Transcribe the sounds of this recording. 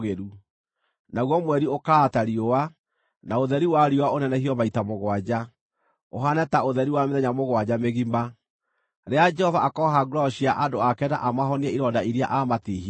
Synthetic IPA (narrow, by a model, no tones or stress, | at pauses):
ɣeɾu | naɣwɔmwɛɾiokaːtaɾiowa | naoðɛɾiwaɾiowaonɛnɛhiɔβaitamoɣwad͡ʑa | oɦanɛtaoðɛɾiwameðɛɲamoɣwad͡ʑameɣima | ɾead͡ʒɛhɔvaːkɔɦaɡuɾɔɔɕiaʔadoakɛnaʔamaɦɔniɛiɾɔdaiɾia̰ʔamatiɦi